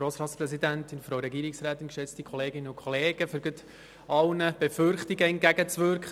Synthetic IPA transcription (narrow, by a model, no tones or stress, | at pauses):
ɾoːsɾɑːtt͡sspɾɛsidæntɪnfɾowɾɛɡiːɾɪksɾæːtɪnkʃɛt͡stikʰɔleːɡɪnːənʊkʰɔleːɡ̥əfʏɾɡət̪ | ɑlnəb̥ɛfʏɾχtiɡəɛntɡ̥æɡət͡sʋʏɾkχ